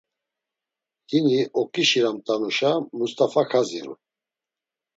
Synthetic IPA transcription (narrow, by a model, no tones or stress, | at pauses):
hiniɔkʼiʃiɾamt̪ʼanuʃamust̪ʼafakʰaziɾṵ